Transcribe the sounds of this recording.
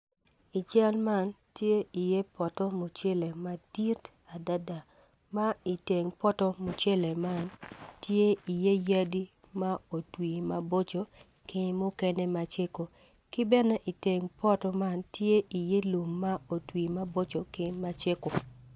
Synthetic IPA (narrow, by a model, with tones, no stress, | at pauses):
i˨t͡ʃa˦lma˦ntje˦i˨je˦pɔ˨tɔ˦mo˨t͡ʃe˦le˨ma˨di˦t | a˨da˦da˨ | ma˦i˨te˨ŋpɔ˦tɔ˦mo˨t͡ʃe˦le˨ma˦ntje˦i˨je˦ja˦di˦ | ma˦o˨twi˨ma˨bo˦t͡ʃo˨ | kɪ˦mʊ˦kɛ˦ne˦ma˨t͡ʃe˦ko˨ | kɪ˦bɛ˦nɛ˦ʔi˨te˨ŋpɔ˦tɔ˦ma˦ntje˦ʔi˨je˦lu˨mːa˦o˨twi˨ma˦bo˦t͡ʃo˨kɪ˦ma˦t͡ʃe˦ko˨